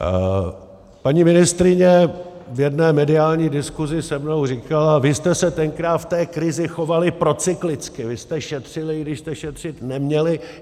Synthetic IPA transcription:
paɲiːmɪnɪst̪ɾɪɲɛvjɛdnɛːmɛdɪaːlɲiːdɪskuzɪsɛmnowr̝iːkalavɪst̪ɛsɛt̪ɛŋkɾaːt̪ft̪ɛːkɾɪzɪxo̞valɪpɾo̞t͡sɪklɪt͡skɪvɪst̪ɛʃɛt̪r̥ɪlɪɡdɪʃst̪ɛʃɛt̪r̝̥ɪt̪nɛmɲɛlɪ

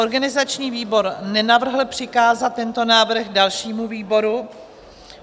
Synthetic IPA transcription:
oɾɡanɪzat͡ʃɲiːviːbo̞ɾnɛnavr̩ɦl̩pr̝̥ɪkaːzat̪̚ːɛnt̪o̞naːvr̩ɣdalʃiːmuviːbo̞ɾu

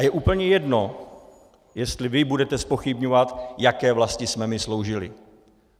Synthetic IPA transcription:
ajɛʔuːpl̩ɲɛjɛdno̞ | jɛst̪lɪvɪbudɛt̪ɛspo̞xɪbɲovat̪jakɛːvlascɪsmɛmɪslo̞wʒɪlɪ̰

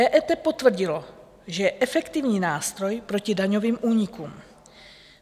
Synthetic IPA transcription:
ɛːʔɛt̪ɛpo̞t̪vr̩ɟɪlo̞ | ʒɛjɛʔɛfɛkt̪ɪvɲiːnaːst̪ɾo̞jpɾo̞cɪdaɲo̞viːmʔuːɲɪkuːm

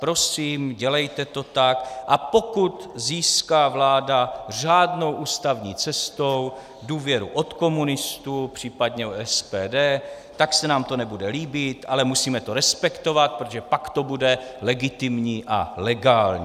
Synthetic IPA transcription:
pɾo̞siːmɟɛlɛjt̪ɛt̪o̞t̪akʔapo̞kut̪ziːskaːvlaːdaʒaːdno̞wʔuːst̪avɲiːt͡sɛst̪o̞w | duːvjɛɾuʔo̞t̪ko̞munɪst̪upr̝̥iːpad̪ɲɛoɛspɛːdɛː | t̪aksɛnaːmt̪o̞nɛbudɛliːbɪt̪ʔalɛmusiːmɛt̪o̞ɾɛspɛkt̪o̞vat̪̚pɾot̪oʒɛpakt̪o̞budɛlɛɡɪt̪ɪmɲiːʔa̰lɛɡaːlɲi

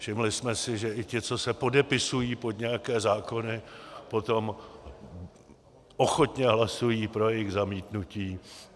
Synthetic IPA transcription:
fʃɪmlɪsmɛsɪʒɛʔɪcɪt͡so̞sɛpo̞dɛpɪsujiːpo̞d̪ɲɛjakɛːzaːko̞nɪpo̞t̪o̞m | ʔo̞xot̪ɲɛɦlasujiːpɾo̞jɛjɪɣzamiːt̪nuciː

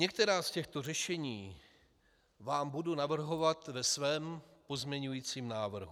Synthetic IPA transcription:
ɲɛk̚t̪ɛɾaːscɛxt̪o̞rɛʃɛɲiː | vaːmbudunavr̩ɦo̞vat̪vɛsvɛːmpo̞zmɲɛɲujiːt͡siːmnaːvr̩ɦu

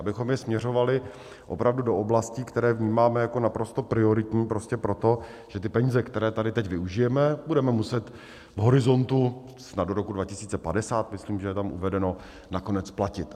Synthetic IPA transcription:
ʔabɪxo̞mjɛsmɲɛr̝o̞valɪ | ʔo̞̰pɾavdudo̞ʔoblasciːkt̪ɛɾɛːvɲiːmaːmɛjako̞napɾo̞st̪opɾɪo̞ɾɪt̪ɲiːpɾo̞scɛpɾo̞t̪o̞ | ʒ̥ɛt̪ɪpɛɲiːzɛkt̪ɛɾɛːt̪adɪt̪ɛcvɪuʒɪjɛmɛbudɛmɛmusɛt̪ | vɦo̞ɾɪzo̞nt̪u | snaddoɾo̞kudvacɪsiːt͡sɛpadɛsaːt̪mɪsliːmʒɛjɛt̪amʔṵvɛdɛno̞ | nako̞nɛt͡splacɪt̪

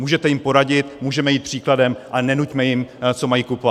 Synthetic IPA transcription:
muːʒɛt̪ɛjɪmpo̞ɾaɟɪt̪muːʒɛmɛjiːt̪̚pr̥iːkladɛmʔanɛnucmɛjɪmt͡so̞majiːkupova

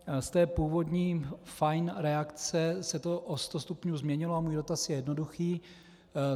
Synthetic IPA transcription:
st̪ɛːpuːvo̞dɲiːfajnɾɛakt͡sɛsɛt̪oʔost̪ost̪upɲuːzmɲɛɲɪloamuːjdo̞t̪asjɛjɛdno̞duxiː

